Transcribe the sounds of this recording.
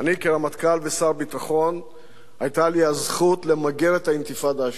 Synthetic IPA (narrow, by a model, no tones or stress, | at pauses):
anikelamat̪kalvesaʁbit̪aχo̞n | ajt̪aliazχutlemaɡeʁet̪haint̪ifad̪a